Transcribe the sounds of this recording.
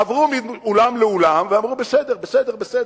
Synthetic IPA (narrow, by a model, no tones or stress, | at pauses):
avʁumiolamleolamveamʁubesed̪eʁbesed̪e̞ʁbesed